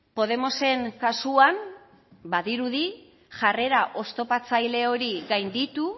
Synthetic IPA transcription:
po̞ð̞e̞mo̞se̞ŋkasuan | baðiɾuði | ʝare̞ɾaʔo̞st̪o̞pat͡sajle̞o̞ɾiɣajnd̪it̪u

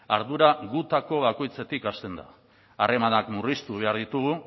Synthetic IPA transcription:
aɾðuɾaɣut̪ako̞βako̞jt͡se̞t̪ikast̪e̞nd̪a̰ | are̞manakmurist̪uβe̞aɾðit̪uɣ̞u

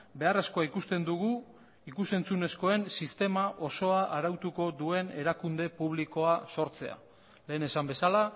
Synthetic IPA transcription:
be̞are̞sko̞aikust̪e̞nd̪uɣ̞u | ikuse̞nt͡sune̞sko̞e̞nsist̪e̞maʔo̞so̞aʔaɾawt̪uko̞ðue̞ne̞ɾakund̪e̞puβ̞liko̞aso̞ɾt͡se̞a̰ | le̞ːne̞sambe̞sala

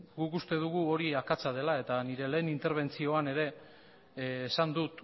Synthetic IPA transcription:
ɡukust̪e̞ðuɣuo̞ɾiakat͡sað̞e̞lae̞t̪aniɾe̞le̞ːnint̪e̞ɾβ̞e̞nt͡sio̞ane̞ɾe̞ | sand̪ut̪

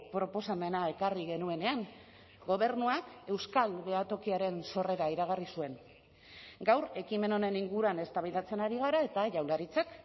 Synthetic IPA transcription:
pɾo̞po̞same̞nae̞kariɣ̞e̞nue̞ne̞aŋ | ɡo̞β̞e̞ɾnuake̞wskalβe̞at̪o̞kiaɾe̞nso̞re̞ɾaiɾaɣ̞arisue̞ŋ | ɡawɾe̞kime̞no̞ne̞niŋɡuɾuane̞st̪aβiðat͡se̞naɾiɣ̞aɾae̞t̪aʝawlaɾit͡sak

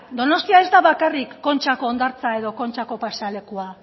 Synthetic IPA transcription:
d̪o̞no̞st̪iae̞zd̪aβakarikːo̞nt͡ʃako̞ːnd̪aɾt͡sae̞ðo̞ko̞nt͡ʃako̞pasale̞kua

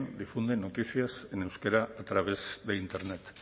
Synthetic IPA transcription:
nd̪ifund̪eno̞t̪iθiasene̞wskeɾaːt̪ɾaβ̞e̞zðeint̪e̞ɾnet̪

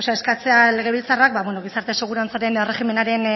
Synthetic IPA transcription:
saeskat͡se̞ale̞ɣ̞e̞βilt͡sarak̚baβwenoɣ̞isaɾt̪e̞se̞ɣ̞uɾant͡saɾe̞nere̞xime̞naɾen

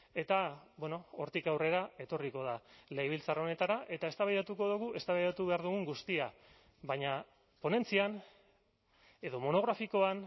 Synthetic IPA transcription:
e̞t̪abweno̞oɾt̪ikawre̞ɾae̞t̪o̞riko̞ð̞alejβ̞ilt͡saro̞ne̞t̪aɾaʔe̞t̪ae̞st̪aβajɾat̪uko̞ðuɣ̞uʔe̞st̪aβajɾat̪uβe̞aɾðuɣuŋɡust̪ia | βaɲa | po̞ne̞nt͡sian | e̞ðo̞mo̞no̞ɣɾafiko̞an

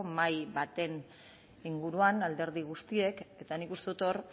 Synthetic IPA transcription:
majβat̪e̞n | iŋɡuɾuanald̪e̞ɾð̞iɣ̞ust̪ie̞ke̞t̪anikust̪eut̪o̞ɾ

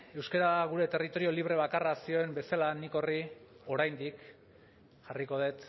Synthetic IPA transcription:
ewskaɾaɣ̞uɾe̞t̪e̞rit̪o̞ɾio̞liβ̞ɾe̞β̞akarasio̞embe̞salaniko̞rio̞ɾajnd̪ik | ʝariko̞ð̞e̞t̪

